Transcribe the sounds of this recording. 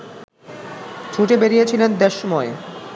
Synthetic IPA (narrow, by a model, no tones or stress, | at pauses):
d͡ʑʰuʈebeɾijet͡ɕʰilend̪eʃːomɔe